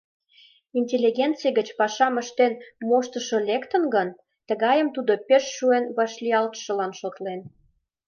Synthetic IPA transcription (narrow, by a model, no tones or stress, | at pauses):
inʲtʲelʲiɣʲent͡sijɡət͡ɕpɑʃɑməʃt̪enmoʃt̪əʃɤ̆lekt̪ə̆nɡən | t̪əɣɑjəmt̪ud̪opeʃːuenβɑʃliɑlt̪ʃə̆lɑnʃot̪len